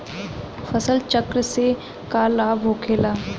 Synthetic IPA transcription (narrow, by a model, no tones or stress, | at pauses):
fəsəlt͡ʃəkɾse | kaːlaːbɦoːkʰeːlaː